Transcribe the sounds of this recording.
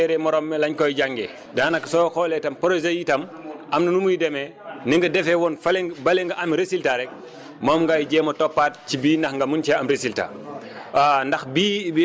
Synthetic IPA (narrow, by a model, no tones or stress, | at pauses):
ɛɾɛmɔɾɔmːɛlɐɲkɔjɟaŋɡɛ̰ | daːnɐksɔxɔːlɛtɐmpɐɾozɐjitɐmʔɐmnɐnumujdɛmɛ | niŋɡɐdɛfɛwɔnfɐlbɐlɛŋɡɐʔɐmɾesiltaɾɛk̚ | mɔːmŋɡajɟɛːmɐtɔpːat̚cibiːnɐxŋɡɐmunt͡ʃaɐmɾesilta̰ː | ndɐxbib